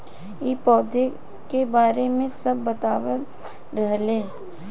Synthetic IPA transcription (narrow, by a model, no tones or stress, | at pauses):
ipɔːd̪e | kebaːɾemẽsɐbːət̪aːwəl | ɾəɦleː